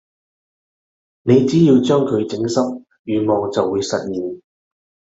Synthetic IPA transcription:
ne˨˧jt͡siː˨˥jiː˧wt͡ʃœː˥ŋkʰɵ˨˧ɥt͡sɪ˨˧˥ŋsɐ˥p̚ | jyː˨˧mɔː˨ŋt͡sɐ˨wːuː˨˧˥jsɐ˨t̚jiː˨˩n

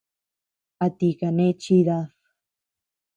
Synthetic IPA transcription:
a˨t̪i˧ka˨nẽ˦t͡ʃi˦ða˧θ

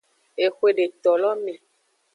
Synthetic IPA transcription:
e˨xwe˨ɖe˨t̪ɔ˨lɔ˦mẽ˨

